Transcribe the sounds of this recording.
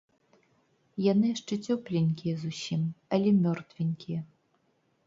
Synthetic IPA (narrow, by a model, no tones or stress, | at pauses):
janɨjaʂt͡ʂɛt͡sʲɔplʲenʲkʲijɛzusʲimɐlʲɛmʲɔrt̪vʲenʲkʲʰijɛ